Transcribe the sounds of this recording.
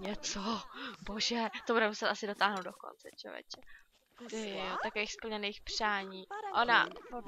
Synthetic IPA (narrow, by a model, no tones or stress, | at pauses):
ɲɛt͡sobo̞ʒɛt̪obuɾɛmusɛt̪ʔasɪdo̞t̪aːɦnowdoko̰nt͡sɛ̰t͡ʃo̰vɛ̰t͡ʃɛ | ot̪akoviːxspl̩ɲɛnejxpr̝̥aːɲiːʔona